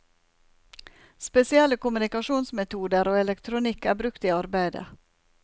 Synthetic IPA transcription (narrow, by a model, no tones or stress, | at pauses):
spɛsɪɛlːəkʊmʉnɪkɑʂuːnsmɛt̪ʰuːd̪əɾoːɛlɛkt̪ʰɾʊnikːæːbɾʉkt̪iːɑɾbæɪd̪ə̰